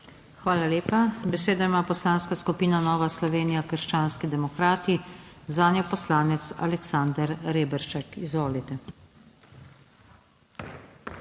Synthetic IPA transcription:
xʋaːlaleːpabɛseːd̪aimaːpɔslaːnskaskupiːnanɔːʋaslɔʋeːnijakəɾʃt͡ʃaːnskid̪ɛmɔkɾaːt̪izaːnjɔpɔslaːnɛt̪sa̰lɛksand̪əɾɾeːbɛɾʃt͡ʃakizʋoːlit̪ɛ

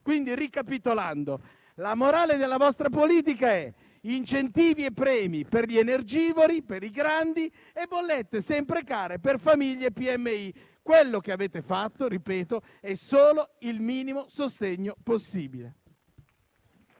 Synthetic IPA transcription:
kwind̪irikapit̪oland̪o | lamoɾaːled̪elːavɔst̪ɾapoliːt̪̬ikaɛ | int͡ʃent̪iːviepːɾɛːmiperʎienerd͡ʒiːvoɾipeɾiɡɾand̪i | ebolːet̪ːesɛmpɾekaːɾeperfamiʎːeepːiɛmːei | kwelːok̟eaveːt̪efat̪ːoɾipɛːt̪o | ɛsoːloilmiːnimosost̪eɲːoposːiːbile

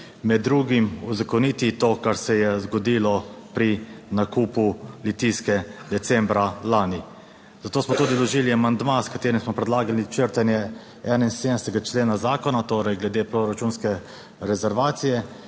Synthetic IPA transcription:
mɛd̪ːɾuːɡimuzakɔniːt̪it̪oːkaɾsɛjɛzɡɔd̪ilɔpɾinakuːpulit̪iskɛd̪ɛt̪sɛmbɾalaːni | zat̪oːsmɔt̪uːd̪ilɔʒiliamand̪maskat̪eːɾimsmɔpɾɛd̪laːɡalit͡ʃəɾt̪anjɛ | ɛːnainseːd̪nɛst̪ɛɡat͡ʃleːnazaːkɔnat̪oːɾɛjɡlɛd̪eːpɾoɾat͡ʃunskɛ | ɾɛzɛɾʋaːt̪sijɛ

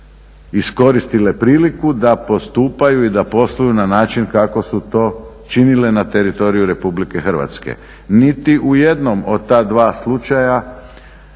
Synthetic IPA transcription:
isko̞ɾist̪ile̞pɾiːlikud̪apo̞st̪uːpajuid̪apo̞slˠujunanaːt͡ʃinkako̞sut̪o̞ː | t͡ʃinile̞nat̪e̞ɾit̪o̞ɾijuɾe̞publike̞xr̩ʋa̰t̪skḛ | nit̪iʔuje̞d̪no̞mo̞d̪̚t̪aːd̪ʋaːslˠut͡ʃaja

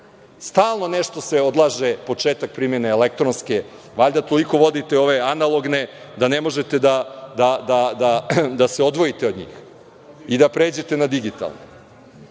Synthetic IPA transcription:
st̪aːlˠno̞ne̞ʃt̪ose̞o̞d̪lˠaʒepo̞t͡ʃeːt̪ak̚pɾimjeneelek̚t̪ɾonske | ʋaʎd̪at̪o̞liko̞ʋo̞d̪it̪e̞o̞ʋe̞analˠo̞ɡne | d̪ane̞mo̞ʒe̞t̪e̞d̪ad̪ad̪ad̪ad̪aseo̞d̪ʋo̞jit̪eod̪ɲḭːx | id̪apɾeːd͡ʑe̞t̪e̞nad̪iɡit̪a̰lˠno̰

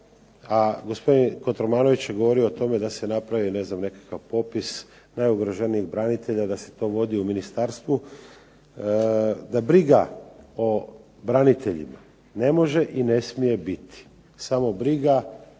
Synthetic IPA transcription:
aɡo̞spo̞d̪inkot̪ɾomaːno̞ʋit͡ɕje̞ɡo̞ʋo̞ɾioːt̪o̞me̞d̪ase̞napɾaʋine̞znamne̞kḁkaʋpo̞pis | najuɡɾoʒeniiɣbɾanit̪e̞ʎad̪ase̞̥t̪o̞ʋod̪iuminist̪aɾst̪ʋu | d̪abɾiɡao | bɾanit̪ʰe̞ʎḭma | ne̞mo̞ʒe̞ʔine̞smije̞bit̪i̥ | samo̞bɾiɡa

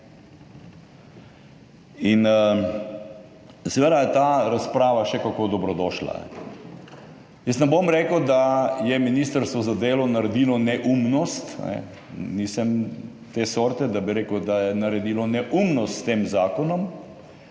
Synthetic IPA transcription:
in | sɛʋed̪ajɛt̪aːɾaspɾaːʋaʃɛkakod̪ɔbɾɔd̪ɔːʃla̰nɛ̰ | jəst̪nɛbomɾeːkəd̪ajɛminiːst̪əɾst̪ʋɔzad̪eːlɔnaɾɛd̪iːlɔnɛʔumnɔst̪nɛ̰ | nisəm | t̪eːsoːɾt̪ɛd̪abiɾeːkəd̪ajɛnaɾɛd̪iːlɔnɛʔumnɔst̪st̪eːmzaːkɔnɔm

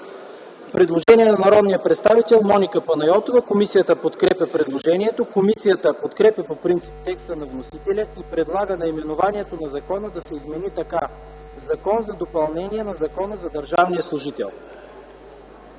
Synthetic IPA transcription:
pɾɛd̪lˠoʒɛniɛnɐnɐɾɔd̪nijəpɾɛt̪st̪avit̪ɛlˠmɔnikəpɐnɐjɔt̪ovəkomisijət̪əpot̪kɾɛpʲɐpɾɛd̪lˠoʒɛniɛt̪okomisijət̪əpot̪kɾɛpjɐpopɾint̪sip̚t̪ɛkst̪ənɐvnosit̪ɛlʲəipɾɛd̪lˠaɡənɐimɛnovaniɛt̪onɐzɐkɔnəd̪ɐsɛizmɛnit̪ɐka | zɐkɔnzɐd̪opɐlˠnɛniɛnɐzɐkɔnəzɐd̪ɐɾʒavnijəslˠʊʒit̪ɛ̰lˠ

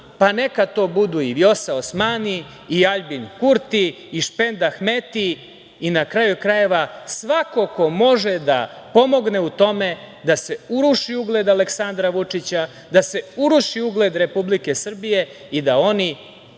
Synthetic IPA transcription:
pane̞kat̪o̞ːbud̪uiʋjo̞saosmaniː | aʎbinkuɾt̪iː | ʃpe̞nd̪axme̞t̪iː | nakɾajukɾaje̞ʋasʋako̞ko̞mo̞ʒed̪apo̞mo̞ɡne̞ut̪o̞me̞ | d̪ase̞uɾuʃiuɡled̪aleksand̪ɾaʋut͡ʂit͡ɕa | d̪ase̞uɾuʃiuɡled̪ɾe̞publike̞sr̩bije̞ | id̪ao̞ni

